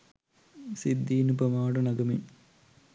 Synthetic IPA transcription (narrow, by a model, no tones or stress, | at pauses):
sid̪ːiːnupɐmaːɽɐnɐɡɐmi